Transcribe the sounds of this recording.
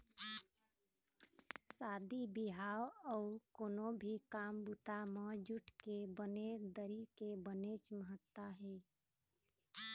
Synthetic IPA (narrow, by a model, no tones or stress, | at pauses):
sad̪ibiɦawɔukoːnobʱikambut̪amed͡ʒuʈʰkebəned̪əɾikebənet͡ʃməɦət̪ːaɦɛ